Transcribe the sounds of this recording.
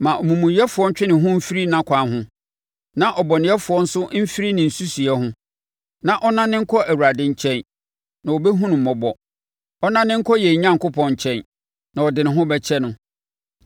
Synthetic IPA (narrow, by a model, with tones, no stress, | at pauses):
mã˨ʔɔ˨mũ˨mũ˨jɛ˦fʊ˨ɔ˦ɲ̩˦t͡ɕᶣɪ˦nɪ̃˨ɦʊ̃˦m̩˦fi˦ɾi˦nã˦kʷʰã˨ɦʊ̃˦ | nã˦ʔɔ˨bɔ˨nɪ̃˨˦ɛ˦fʊ˨ɔ˦n̩˦sʊ˦m̩˦fi˦ɾi˦nɪ̃˨n̩˨su˦si˨ɛ˦ɦʊ̃˦ | nã˨ʔɔ˦nã˦nːɪ̃˦ŋ̩˦kʰɔ˦ʔæ˨wu˨ɾa˨dɪ̃˦ɲ̩˨t͡ɕʰɛ̃˦n | nã˨wo˨bɛ˦ɦũ˦nʊ̃˨m̩˨mɔ˨bɔ˨ | ɔ˦nã˦nɪ̃˦ŋ̩˦kʰɔ˦jɛ˨ɲã˦ŋkʊ˦pʰɔ̃˨ɲ̩˨t͡ɕʰɛ̃˦n | nã˨ɔ˨dɪ˨nɪ̃˨ɦʊ̃˦bɛ˦t͡ɕʰɛ˦nʊ̃˨